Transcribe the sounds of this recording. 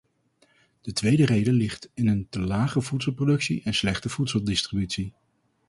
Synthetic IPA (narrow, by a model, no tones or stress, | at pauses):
d̥ətʋejdərejdəlɪχtɪnəntəlaːχəvutsəlˠprodɵksiʔɛnslɛχtəv̥utsəlˠdɪstribytsi